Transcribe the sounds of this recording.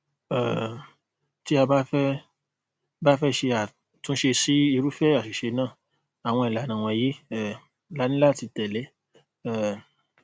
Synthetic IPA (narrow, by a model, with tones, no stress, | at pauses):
ɛ˨ | ti˦a˧ba˦fɛ˦ | ba˦fɛ˦ʃe˧a˨ | tũ˦ʃe˧si˦i˧ɾu˦fɛ˦a˨ʃi˨ʃe˧nãː˦˨ | a˨w̃ɔ̃˧i˨la˨nã˨w̃ɔ̃˧je˦ɛ˦˨ | la˨˦nĩ˦la˦˨ti˧tɛ˨lɛ˨˦ | ɛ˦˨